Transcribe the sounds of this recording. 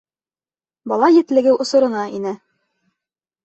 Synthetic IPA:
bɒlˠɑjɘ̆t̪lɘ̆ɡɘwʔŏsŏɾɤ̆nɑʔinɘ

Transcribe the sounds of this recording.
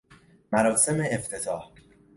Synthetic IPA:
mæɾɒːse̞me̞ːft̪ʰe̞t̪ʰɒːh

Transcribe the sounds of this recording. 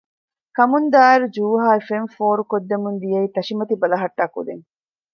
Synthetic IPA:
kɐmund̪aːeɾud͡ʒuːɦaːefenfoːɾukod̪ːemund̪ijeiːt̪ɐʃimɐt̪ibɐlɐɦɐʈːaːkṵd̪eŋ

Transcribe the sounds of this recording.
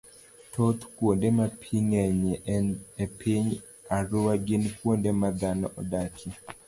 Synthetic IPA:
tot̪kwondemapʰiŋɛɲeepʰiɲ | aɾʊwaɡɪnkwondemad̪anɔʔɔ̰dakʰi

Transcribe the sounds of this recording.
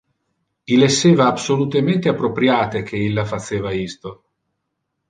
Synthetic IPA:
ilesːeːvaːbsolut̪ement̪eapːɾopɾjaːt̪ek̟eilːafaseːvaist̪o

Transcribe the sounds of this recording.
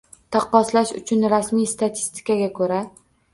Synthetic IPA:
t̪ʰɒqːɒslaʃʊt͡ʃʰʊnɾasmijst̪at̪ʰɪ̥st̪ʰɪ̥kaɡʲakʰɵɾa

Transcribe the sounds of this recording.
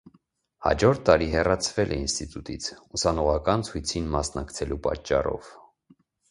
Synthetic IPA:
hɑ̰d͡ʒɔɾt̪ːɑɾiɦɛrɑt͡sʰvɛlʔɛinst̪it̪ut̪it͡sʰusɑnɔʁɑkɑnt͡sʰujt͡sʰinmɑsnɑkt͡sʰɛlupɑ̰t͡ʃːɑrɔ̰v

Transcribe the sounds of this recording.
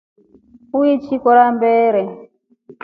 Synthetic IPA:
uit͡ʃʰikɔɾambɛːɾɛ

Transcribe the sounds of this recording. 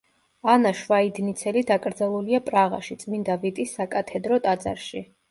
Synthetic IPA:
anaʃvaid̪nit̪sʰɛlid̪akʼɾd̪zalˠuliapʼɾaʁa̰ʃit̪sʼmind̪avit̪ʼisːakʼat̪ʰɛd̪ɾɔt̪ʼad̪za̰ɾʃi

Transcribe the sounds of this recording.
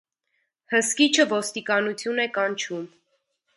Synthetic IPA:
həskit͡ʃʰəvɔst̪ikɑnut͡sʰjunɛkɑnt͡ʃʰum

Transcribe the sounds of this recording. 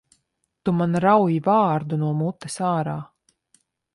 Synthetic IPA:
t̪umanɾawjivaːɾd̪unuɔmut̪ːesaːɾaː

